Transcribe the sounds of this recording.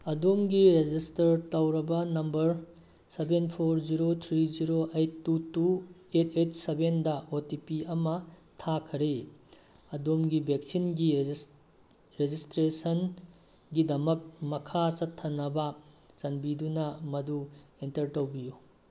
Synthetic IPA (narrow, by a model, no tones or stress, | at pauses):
ɐdomɡiɾed͡ʒistɐɾtɐwɾɐbɐnɐmbɐɾ | sebenpʰoɾziɾot̪ʰɾiziɾoʔejtːutuetʰet̚sebendɐotipiɐmɐtʰakʰɐɾe | ɐdomɡibʱek̚sinɡi | ɾed͡ʒistɾesɐn | ɡidɐmɐk̚mɐkʰasɐtʰːɐnːɐbɐ | t͡ʃɐnbidunɐmɐduentɐɾtɐwbiju